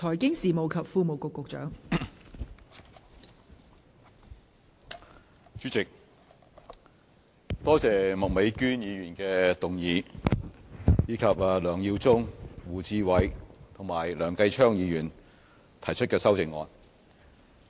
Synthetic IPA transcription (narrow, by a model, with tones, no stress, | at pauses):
t̪ʰɔː˨˩jkɪ˥ŋsiː˨mo˨wkʰɐ˨p̚fuː˧mo˨wkʊ˨kʊ˨k̚t͡ʃœ̰ː˨˥ŋ | t͡ʃyː˨˥t͡sɪ˨k̚ | t̪ɔː˥t͡sɛː˨mʊ˨k̚me˨˥jkyː˥njiː˨˧jyː˨˩nkɛː˧t̪ʊ˨˩ŋjiː˨˧ | jiː˨˧kʰɐ˨p̚a˨lœː˨˩ŋjiː˧wt͡sʊ˥ŋwuː˨t͡siː˧wɐ˨˧jt̪ʰʊ˨˩ŋmaː˨˩jlœː˨˩ŋkɐ˧jt͡ʃʰœː˥ŋjiː˨˧jyː˨˩n | t̪ʰɐ˨˩jt͡ʃʰɵ˥t̚kɛː˧sɐ˥wt͡sɪ˨ŋːɔ̰ː˧n